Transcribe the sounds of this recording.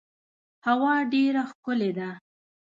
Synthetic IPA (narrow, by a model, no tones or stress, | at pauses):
hawɑɖeɾaxkʊled̪a